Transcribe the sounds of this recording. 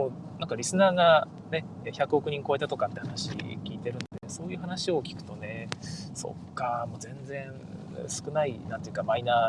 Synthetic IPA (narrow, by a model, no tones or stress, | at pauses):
oː | nãŋkaɾʲisɨnaːɡa | ne̞eçakɯ̟o̞kɯ̟ɲ̟ĩŋko̞e̞t̪at̪o̞kãt̪ːehanaɕḭkʲiːt̪e̞ɾɯ̟̃nd̪eso̞ːjɯ̟ːhanaɕio̞kʲi̥kɯ̟̥t̪o̞ne̞so̞̰kːamo̞ːzẽ̞nd͡zẽ̞ɴ | sɨ̥kɯ̟nainant̪oejɯ̟kamaina